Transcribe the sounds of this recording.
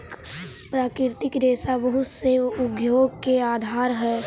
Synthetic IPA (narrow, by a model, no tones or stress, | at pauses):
k | pɾaːkɾɪɾt̪ɪkɾeːsabəɦʊt̪seʊɡjoːɡkeaːd̪ʱaːɾɦɛː